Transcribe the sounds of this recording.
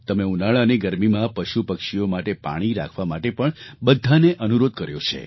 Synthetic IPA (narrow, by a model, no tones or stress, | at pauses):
t̪əmeunaɭaəneɡəɾmimãpəʃupəkʃijomaʈepa̰ɽ̃iɾa̰kʰʋamaʈepəɳbəd̪ʱaneʔənuɾod̪̚kəɾjot͡ʃʰḛ